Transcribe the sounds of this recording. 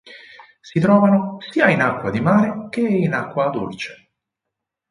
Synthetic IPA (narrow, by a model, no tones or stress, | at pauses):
sit̪ɾɔːvanosiːainakːwad̪imaːɾek̟einakːwad̪o̰lt͡ʃe̥